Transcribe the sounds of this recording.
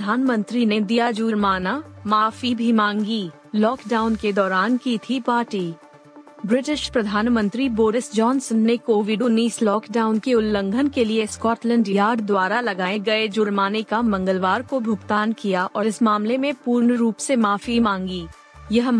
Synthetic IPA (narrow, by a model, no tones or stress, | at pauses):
d̪ʱaːnmə̃nt̪ɾined̪ijad͡ʒuːɾmaːnamaːfibʱimãːŋɡi | lɔːkɖaːʊnked̪ɔːɾaːnkit̪ʰipaːʈiː | bɾɪʈɪʃpɾɐd̪ʱaːnmə̃nt̪ɾiboːɾɪsd͡ʒɔːnsənːekoːʋɪɖuniːslɔːkɖaːʊnkeʊlːə̃ŋɡʱənkelieskɔːʈlə̃ɳɖjjaːɾɖd̪waːɾalɐɡaːẽɡɐed͡ʒʊɾmaːnekamɐ̃ŋɡəlʋaːɾkobʱʊɡt̪aːnkijaʔɔːɾɪsmaːmlemẽpuːɾɳəɾuːpsemaːfimãːŋɡiː | jɐɦ